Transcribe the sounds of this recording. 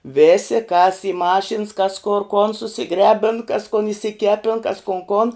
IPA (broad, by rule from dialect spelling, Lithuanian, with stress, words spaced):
ˈʋʲeːsʲɪ kɐs ɪ ˈmɑːʃʲɪns kɐs koːr koːn sʊsʲɪˈɡrʲæːbʲɪn kɐs kʊn ɪʃʲsʲɪˈkʲæːpʲɪn kɐs kʊn koːn